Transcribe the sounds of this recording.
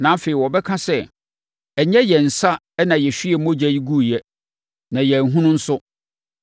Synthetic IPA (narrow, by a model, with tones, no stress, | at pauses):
nã˨˦fe˨i˨wɔ˨bɛ˦kʰã˦sɛ˦˨ | ɛ˨ɲɛ˦jɛ˨n̩˨sa˦ | ɛ˦nã˨jɛ˨ɕᶣi˦ɛ˨˦mɔ̃˦d͡ʑæ˨ji˦ɡu˦˨jɛ˦ | nã˨jɛ˨n˨ɦũ˦nʊ̃˦n̩˦sʊ˦